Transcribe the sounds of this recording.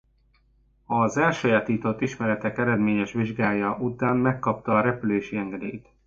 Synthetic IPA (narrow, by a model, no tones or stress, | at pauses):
ɒzɛlʃɒjaːt̪iːt̪o̞t̪ːiʃmɛɾɛt̪ɛkɛɾɛd̪meːɲɛʃʋiʒɡaːjɒʔut̪aːnmɛkːɒp̚t̪ɒːɾɛpyleːʃiɛŋɡɛd̪ḛːjt̪